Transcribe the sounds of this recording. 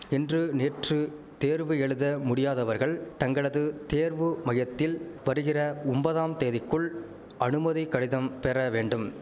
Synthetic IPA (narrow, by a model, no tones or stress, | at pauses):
ɪndrɯneːʈrɯ | t̪eːɾʋɯɛɻɯðɐmʊɽɪjaːðɐʋɐɾɣɐɭt̪ɐŋɡɐɭɐðɯt̪eːɾʋɯmɐjɐt̪ːɪlʋɐɾɯɣɪrɐʊmbɐðaːmt̪eːðɪkːɯɭ | ɐnɯmɐðɪkːɐɽɪðɐmpɛrɐʋeːɳɖɯm